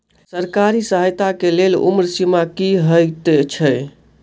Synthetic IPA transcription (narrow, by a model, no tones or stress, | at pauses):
səɾkaɾisəɦəjt̪akelelṵmɾsimakiɦəjt̪t͡ʃʰəj